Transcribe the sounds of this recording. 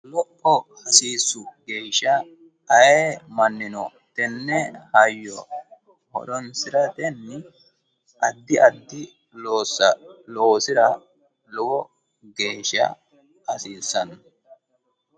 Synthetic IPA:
lɔʔːɔhɐsiːsːʊɡe̞ːʃɐ | ɐjeːmɐnːɪnɔ | t̪ɛnːɛhɐjːɔ | hɔ̰d̪ɔnsɪɾɐt̪ɛnːɪ | ʔɐd̪ːɪʔɐd̪ːɪ | loːsɐloːsɪɾɐ | lɔɡɔ | ɡe̞ːʃːɐ̰ | hɐsiːsːɐn

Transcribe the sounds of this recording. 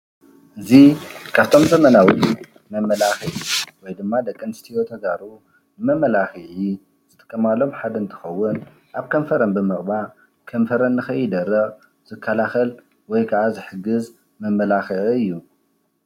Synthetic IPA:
ʔɨzikʰaβt̪ʰo̞mzɐmɐnawi | mɐmːɐlaxiʕiwɔjd̪ɨmːad̪ɐkʼːɨnst̪ʰiot̪ʰɐɡaɾu | nɨmɐmːɐlaxɨʕi | z̥ɨt̪ʼɨ̥kʼːɐmalo̞mħad̪ɐnt̪ʰɐ̥xɐwːʊn | ʔaβkʰɐɱfɐɾɐnbɨmɨχʼba | kʰɐmfɐɾɐnːɨxɐjɪd̪ɐɾːɐɣʼ | z̥ɨkʰːɐlaxɐl | wɔjkʰɐʔazɨħɨɡɨz | mɐmːɐlaxɨʔɨjːu

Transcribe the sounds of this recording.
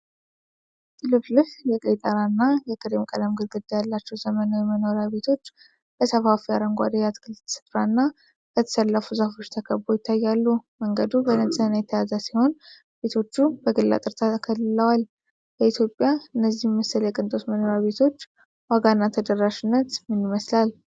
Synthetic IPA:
t̪ʼɨlɨflɨfjɛkʼəjt̪ʼəɾanːajɛkʼɨɾemkʼələmɡɨlɡɨd̪ːejalːat͡ʃːɛwzəmənawɛməno̞ɾaβe̞t̪ʰo̞t͡ʃː | bəsəfafijaɾəŋɡʷa̰d̪ejat̪ɡɨlt̪ʰsə̥t̪ɾanːa | bət̪ʰə̥səlːəfuzafo̞t͡ʃːt̪ʰəkʰəbbojɪt̪ʰːajːalːuməŋɡəd̪ubənənsʼənajɛt̪ʰːəjazasiho̞n | be̞t̪ʰo̞t͡ʃːubəɡɨlːa̰t̪ʼɨɾt̪ʰakʰəlːɨləwal | bəit̪ʰjo̞pʼːjaɨnːəzːihmməsəljɛkʼɨnt̪ʼot̪məno̞ɾjaβe̞t̪ʰo̞t͡ʃː | waɡanːat̪ʰəd̪ərːaʃɪnːət̪mɨniməslal

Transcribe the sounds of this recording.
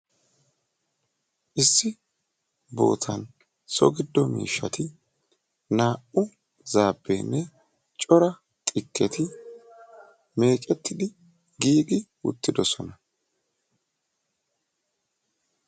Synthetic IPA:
ʔɪsːɪ | bo̞̰ːt̪ʰɐn | sɔ̰ɡɪd̪ːɔmḭːʃːɐt̪ɪ | naːʔʊ | zaːbːḛːnːɛ | t͡ʃʼɔɾɐ | t̪ʼɪkːɛt̪ɪ | me̞ːt͡ʃʼɛt̪ːɪd̪ɪ | ɡiːɡɪwʊ̰t̪ːɪd̪ɔsɔnɐ

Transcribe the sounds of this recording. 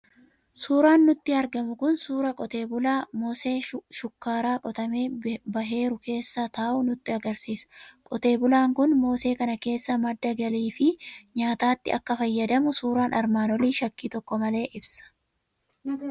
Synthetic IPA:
suːɾaːnːʊt̪ːɪɐɾɡɐmʊkʊnsuːɾɐkʼɔt̪e̞ːbʊlaːmoːseːʃʊkːaːɾaːkʼɔt̪ɐme̞ːbɐɦe̞ːɾʊkʰe̞ːsːɐt̪ɐːʔʊnʊt̪ːɪɐɡɐɾsiːskʼɔt̪e̞ːbʊlaːŋkʊnmo̞ːse̞ːkɐnɐke̞ːsːɐmɐd̪ːɐɡɐliːfɪɲaːt̪aːt̪ːɪ̰ɐkːɐfɐjːɐd̪ɐmʊsuːɾaːnʔɐɾmaːnɔliːʃɐkːiːt̪ɔkːɔmɐle̞ːʔɪbsɐ̥

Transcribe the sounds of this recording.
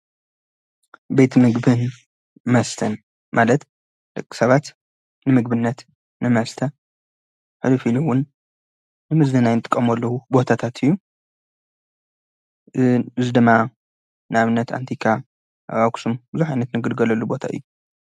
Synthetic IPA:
be̞t̪ʰmɨɡbɨn | mɐst̪ʰɐn | malɐt̪ | d̪̥ɐkʼːi̥sɐβat̪ | nɨmɨɡ̚bɨnːɐt̪ | nɨmɐst̪ʰɐ | ħɨlɨfiluwʊnː | ɨmɨzdɨnajnɨt̪ʼɨkʼːɐmɐlːɐhubo̞t̪ʰat̪ʰat̪ʰɨjːu | ɨzɨd̪ɨmːa | nɨaβɨnːɐt̪a̰nt̪ʰikʰa | βaksumbɨzuħajnɐt̪nɨɡɨd̪ɡɐlɐlːubo̞t̪ʰa̰ʔɨ̰jːu

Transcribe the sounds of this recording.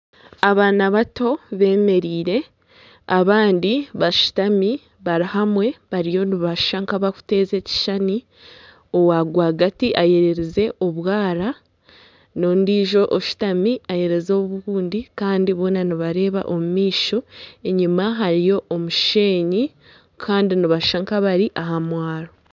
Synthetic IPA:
aβaːnaβato̞βe̞ːme̞ɾiːɾe̞ | aβaːndiβaʃu̥tami | βaɾihamwe̞βaɾijo̞nuβaʃʃaŋkaβaku̥te̞ːze̞ːci̥ʃani | o̞waːɡwaːɡatiʔaje̞ɾe̞ɾeze̞ʔo̞βwaːɾa | no̞ndiːʒo̞ʔoʃu̥tamiaje̞ɾe̞zoβuɣuːndikaːndiβo̞ːnaniβaɾe̞ːβa̰ʔo̞mumiːʃo̞e̞ɲimaɦaɾijo̞ʔomuʃe̞ːɲi | kʰaːndiniβaʃʃaŋkaβaɾiʔaɦamwaːɾo

